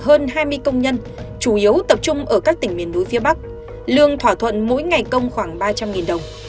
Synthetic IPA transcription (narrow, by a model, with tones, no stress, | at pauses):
ɦəː˧nɦaː˧jmɨ˧əjkə˧wŋ͡mɲə˧n | t͡ɕu˧˩ʔi˨˦əwt̪ə˨˩p̚t͡ɕʊ˧ŋ͡mʔəː˧˩kaː˦˥k̚t̪ï˧˩ŋ̟mi˨˩ənɗu˨˦fi˧əɓa˦˥k̚ | lɨ˧əŋt̪ʰwaː˧˩t̪ʰwə̰˧˨nmo̰˧˥jŋa˨˩jkə˧wŋ͡mxwaː˧˩ŋɓaː˧t͡ɕa˧mŋi˨˩nɗə˨˩wŋ͡m